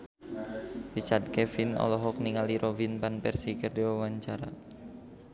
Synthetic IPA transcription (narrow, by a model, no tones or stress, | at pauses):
rit͡ʃart̪̚kɛfinɔ̰lɔɦɔk̚niŋaliɾʔovinpanpɛrsikərdiwawaɲt͡ʃaɾa